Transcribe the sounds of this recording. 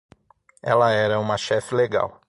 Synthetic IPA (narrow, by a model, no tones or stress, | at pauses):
ɛ̰lɐɛɾɐũmɐʃɛfɪleɡa̰w